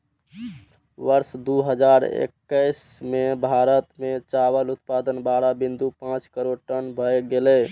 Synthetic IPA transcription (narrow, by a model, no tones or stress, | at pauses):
ʋəɾsd̪uɦəd͡ʒaɾḛkːəɪsmebʱaɾət̪met͡ʃaβəlut̪pad̪ənbaɾabind̪upãt͡ʃkəɾoɖʈənbʱəjɡelɛ